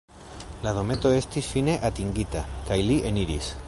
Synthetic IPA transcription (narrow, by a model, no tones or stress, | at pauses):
laðo̞me̞t̪o̞e̞st̪isfine̞ʔat̪iŋɡit̪akajliʔeniɾḭs